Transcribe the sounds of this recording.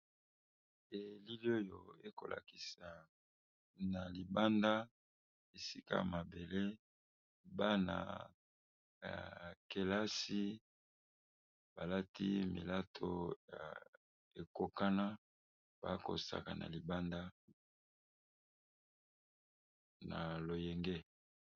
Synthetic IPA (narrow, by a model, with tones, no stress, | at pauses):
e˨li˦li˦o˦jo˨e˦ko̰˨lʔa̰˨ki˨sa˨ | na˨li˨ba˦nda˦ | e˨si˦ka̰˦ja˨ma˨be˨le˦ | ba˦na̰˨ | ja̰˨ke˦la˦si˦ | ba˨la˦tʰi˦mḭ˨la˦tʰo˦ja̰˨ | e˨ko˦ka˦na˦ | b̥a˦ko̰˨sa̰˨ka˨na̰˨li˨ba˦nda˦ | na˨lo˨jɛ˨ŋɡe˦